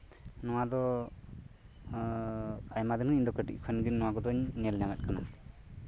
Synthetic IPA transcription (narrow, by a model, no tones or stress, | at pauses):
nɔwad̪ɔ | ajmad̪ɛnuind̪ɔkəʈḭʔc̚ˀkʰɛnɡinːɔwaɡɔd̪ɔɲnɛlɲamɛt̪̚kana̰